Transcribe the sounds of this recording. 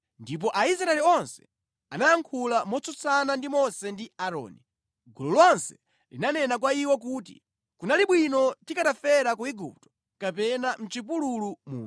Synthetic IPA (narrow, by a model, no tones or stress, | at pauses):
ndip̬ɔʔais̬ɾaɛliɔnsɛ̥ | anajaŋkʰulamɔt͡sɔt͡sanandimɔsɛndiaɾɔ̰ːni | ɡulɔlɔnsɛ̥ | linanɛnak̬waiwɔk̬uːtḭ | kunaliɓwinɔtikatafɛɾakuiɡup̚tɔ̥ | kapɛnam̩t͡ʃipululumṵː